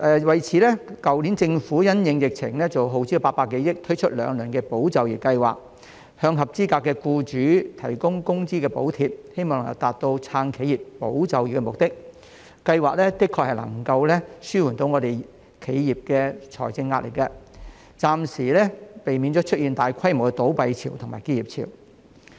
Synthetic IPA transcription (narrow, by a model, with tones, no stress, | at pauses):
ʔɛː˨˧wɐ˨jt͡sʰiː˨˥lɛː˥kɐ˨wliː˨˥nt͡sɪ˧ŋfuː˨˥jɐ˥njɪ˨˧ŋjɪ˨k̚t͡sʰɪ̰˨˩ŋlɛː˥t͡so˨˩wɦo˨wt͡si˥˨paː˧t̚paː˧kːe˨˧˥jɪ˥k̚t̪ʰɵ˥t͡ʃʰɵ˥t̚lœ̰ː˨˧ŋlɵː˨˩nkɛ˧po˨˥wt͡sɐ˨˧wji˨˩kɐ˧jwa̰ː˨k̚ | hœː˧ŋɦɐ˨p̚t͡siː˥kaː˧kːɛː˧kuː˧t͡ʃyː˨˥t̪ʰɐ˨˩jkʊ˥ŋkʊ˥ŋt͡siː˥kɛː˧po̰˨˥wt̪ʰiː˨p̚he˥jmɔː˨ŋlŋkɐ˧t̪aː˨t̚t̪o˧wt͡sʰaː˧ŋkʰe˨˥jiː˨pːo˨˥wt͡sɐ˨˧wji˨˩tkːɛ˧mʊ˨k̚t̪ɪ˥k̚ | kɐ˧jwaː˨˩k̚lɛː˥t̪ɪ˥kʰɔ˧k̚hɐ˨jlɐ̰˨˩ŋkɐ˧wlɛ˥syː˥wu˨˩nt̪o˨˧˥wŋɔ˨˧t̪e˨j | kʰe˨˧jjiː˨p̚kɛː˧t͡ʃʰɔ̰ː˨˩jt͡sɪ˧ŋːaː˧t̚lḛ˨˩kːɛ˧ | t͡saː˨msiː˨˩lɛ˥pe˨jmi˨˧nt͡sɔː˨˥t͡ʃʰɵ˥t̚jiː˨nt̪aː˨jkʰɐ˥jmo˨˩wkɛ˧t̪o˨˥wpɐ˨˧jt͡sʰiː˨˩wt̪ʰʊ˨˩ŋma̰ː˨˩jke˥jiː˨p̚t͡sʰḭ˨˩w